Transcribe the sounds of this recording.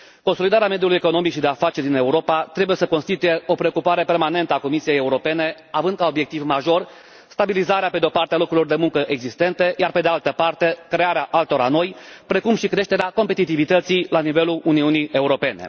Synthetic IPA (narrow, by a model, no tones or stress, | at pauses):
ko̞nso̞lid̪aɾeame̞d̪julujeko̞no̞mikʃid̪e̞afat͡ʃe̞rd̪ine̞uɾo̞pat̪ɾe̞buje̞səkonst̪it̪uje̞ʔo̞pɾe̞okupaɾe̞pe̞rmane̞nt̪əako̞misije̞jeuɾo̞pe̞ne̞ | avɨnd̪kao̞bje̞k̚t̪ivmaʒo̞r | st̪abilizaɾeape̞d̪eopart̪ealo̞kɾulo̞rd̪e̞muŋkəʔeɡzist̪e̞nt̪e̞jarpe̞d̪ealt̪əpart̪e̞kɾe̞aɾeaʔalt̪o̞ɾano̞jpɾe̞kumʃikɾe̞ʃt̪e̞ɾeako̞mpet̪it̪ivit̪ət̪silanive̞luluniunijʔe̞uɾo̞pe̞ne̞̰